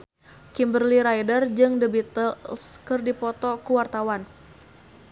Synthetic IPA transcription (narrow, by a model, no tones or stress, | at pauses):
kimbərliɾajdərd͡ʒɨŋdəbit̪əlskɨrdipɔt̪ɔkuwart̪awan